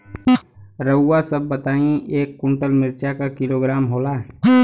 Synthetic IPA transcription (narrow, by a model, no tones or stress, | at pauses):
ɾəːasəb̚ːət̪aːĩeːkːʊ̃ɳʈəlmɪɾt͡ʃakakɪloːɡɾaːmɦoːlaː